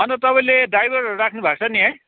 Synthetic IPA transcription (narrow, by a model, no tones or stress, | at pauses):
ɦʌnʌt̪ʌpãĩledajbʌɾʌɾuɾakʰnubʱak̚t͡sʰʌniɦʌ